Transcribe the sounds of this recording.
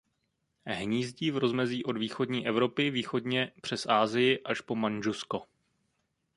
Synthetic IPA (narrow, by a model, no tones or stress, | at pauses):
ɦɲiːzɟiːvɾo̞zmɛziːʔo̞dviːxo̞dɲiːʔɛvɾo̞pɪviːxo̞dɲɛpr̝̥ɛsʔaːzɪjɪʔaʃpo̞manʒusko̞